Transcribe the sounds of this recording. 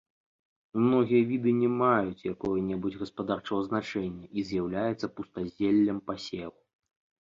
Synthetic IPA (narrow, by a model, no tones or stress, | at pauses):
mnɔɣʲijɐvʲid̪ɨnʲɛmajut͡sʲjakɔjɐnʲɛbud͡zʲɣɐspad̪art͡ʂɐvɐznat͡ʂɛnʲːɛʔizʲjawlʲajɛt̪sːɐpust̪azʲelʲːɐmpasʲelˠu